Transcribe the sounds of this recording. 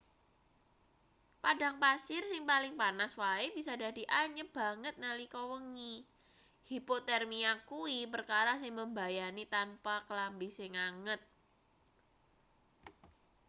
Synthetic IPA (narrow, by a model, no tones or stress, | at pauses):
padaŋpasɪrsɪŋpalɪŋpanaswaebisada̤diʔaɲəb̥a̤ŋət̪̚nalikɔwəŋi | hipot̪ɛrmiakuipərkaɾasɪŋməmbajanit̪anpakəlambisɪŋaŋət̪̚